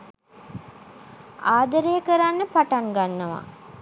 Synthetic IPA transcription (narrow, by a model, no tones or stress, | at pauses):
aːd̪əɾəjəkəɾanːəpaʈaŋɡanːəʋa̰